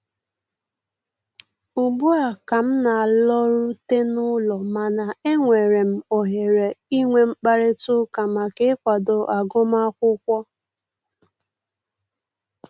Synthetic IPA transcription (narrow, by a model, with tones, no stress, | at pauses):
ʊ˨bu˦a˨ka˨m̩˦na˨a˨lɔ˦ɾu˦te˦nʊ˦lɔ˨ma˨na˨e˦ŋʷe˨ɾe˨m̩˦o˨ɦe˨ɾe˨i˦ŋʷe˨m̩˦k͡pa˦ɾe˦tʊ˦ka˨ma˨ke˦kʷa˨do˨ʔa˨ɡʊ˦m˦a˦kʷʊ˦kʷɔ˦